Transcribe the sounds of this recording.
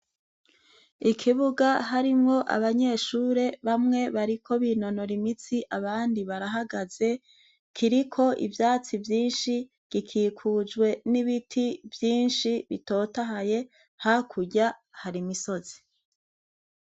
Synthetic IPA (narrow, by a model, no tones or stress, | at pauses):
ikʰiβuɡaɦaɾimŋo̞ʔa̰βaɲe̞ʃuːɾe̞βamŋe̞βaɾikʰo̞βino̞no̞ɾimit͡siʔaβaːndiβaɾaɦaɡaz̥e̞ | kʰiɾikʰo̞ʔḭvjaːt͡sivjiːnʃi | ɡ̥ikʰiːkʰuːd͡ʒɡwe̞niβitʰivjiːnʃiβito̞ːtaɦaje̞ | hakʰuɟahaɾimiso̞zi̥